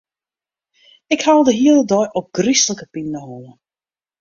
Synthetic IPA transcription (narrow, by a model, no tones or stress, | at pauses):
ɪkhalˠdəɦiələdɔjʔɔk̚ɡ̥risləkəpinnəɦoːə